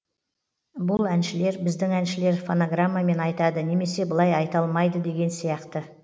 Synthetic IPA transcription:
bʊlˠænʃɪle̞ɾbɪzd̪ɪŋænʃɪle̞ɾfo̞noɡramːame̞nɑjt̪ɑd̪əne̞me̞se̞bəlˠɑjɑjt̪ɑlˠmɑjd̪əd̪e̞ɡʲe̞nsijɑqt̪ə

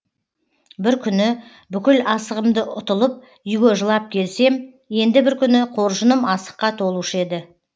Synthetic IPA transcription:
bɪɾkʲʰʏnɪ | bʏkʲɪlɑsəʁəmd̪əʔʊt̪əlˠəp̚ | ʏjɡʲeʒəlˠɑp̚kʲʰe̞lse̞m | je̞nd̪ɪbɪɾkʲʰʏnɪqʰo̞ɾʒənəmɑsə̥qːɑt̪ʰo̞lˠuʃəe̞d̪ɪ

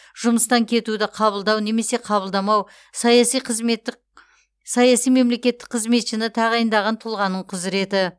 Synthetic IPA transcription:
ʒ̥ʊməst̪ɑŋkʲʰe̞t̪ud̪ɪqʰɑβəlˠd̪ɑwne̞me̞se̞qʰɑβəlˠd̪ɑmɑw | sɑjɑsijqʰəzmet̪ːɪ | sɑjɑsijme̞mle̞kʲe̞t̪ːɪ̥k̚qʰəzme̞t̪ʃɪnɪt̪ʰɑʁɑjənd̪ɑʁɑnt̪ʰʊlˠʁɑnːəɴqʰʊzɪɾe̞t̪ɪ

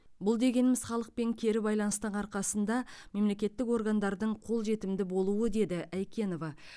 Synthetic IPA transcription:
bʊlˠd̪e̞ɡʲe̞nɪmɪzχɑlˠəq̚pe̞ŋkʲʰe̞ɾɪbɑjlˠɑnəst̪əɴɑɾqɑsənd̪ɑme̞mle̞kʲe̞t̪ːɪko̞ɾɡand̪ɑɾd̪əɴqʰo̞lˠʒe̞t̪ɪmd̪ɪbo̞lˠuwəd̪e̞d̪ɪʔæjkʲe̞no̞vɑ

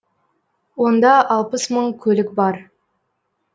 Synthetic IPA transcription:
wo̞nd̪ɑɑlˠpəsməɴkʲʰɵlɪkbɑɾ

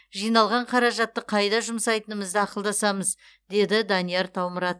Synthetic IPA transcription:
ʒijnɑlˠʁɑɴqʰɑɾɑʒɑt̪ːəqʰɑjd̪ɑʒʊmsɑjt̪ənəməzd̪ɪɑqəlˠd̪ɑsɑməz | d̪e̞d̪ɪd̪ɑnijɑɾt̪ʰɑwməɾɑt̪̚

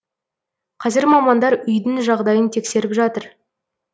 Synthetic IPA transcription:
qʰɑzɪɾmɑmɑnd̪ɑɾʏjd̪ɪŋʒɑʁd̪ɑjənt̪ʰe̞kse̞ɾɪpʒɑt̪əɾ

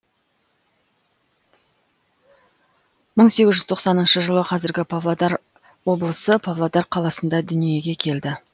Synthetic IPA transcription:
məɴse̞ɡʲɪzʒʏzt̪ʰoqsɑnənʃəʒəlˠəqʰɑzɪɾɡʲɪpʰavlˠad̪ɑɾ | wo̞blˠəsəpʰavlˠad̪ɑɾqʰɑlˠɑsənd̪ɑd̪ʏnije̞ɡʲe̞kʲʰe̞ld̪ɪ

